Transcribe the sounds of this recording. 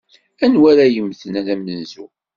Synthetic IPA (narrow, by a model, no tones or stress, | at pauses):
ænwæɾæjəmθənæðæmənzṵ